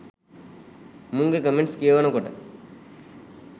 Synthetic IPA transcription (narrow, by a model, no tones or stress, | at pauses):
mʊŋɡɐkɐmeɳʈskeːʋɐnɐ̃koʈːɐ̰